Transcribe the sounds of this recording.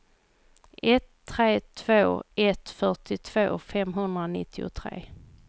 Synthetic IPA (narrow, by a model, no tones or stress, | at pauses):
ʔɛt̪ʰːɾeːt̪ʰv̥oːɛt̪fœʈɪt̪ʰv̥o̰ːfɛmɦɵnd̪ɾanɪ̰t̪ʰːɪʊ̰t̪ʰɾḛː